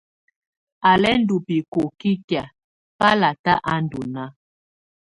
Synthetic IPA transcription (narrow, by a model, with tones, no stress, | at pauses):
a˨lɛ˦n̩˦du˨pi˨ko˨ki˦kja˨ | pa˦la˨ta˦ʔa˦n̩˦du˨na˦